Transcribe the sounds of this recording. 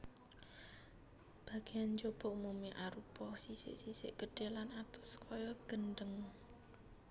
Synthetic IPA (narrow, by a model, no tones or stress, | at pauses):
b̥a̤ɡ̥e̤jand͡ʒob̥ɔʔmumiʔaɾupɔhsisɪ̰ʔsisɪ̰ʔɡ̥əɖ̥e̤lanat̪ʊ̥skʰɔjɔɡ̥ənɖəŋ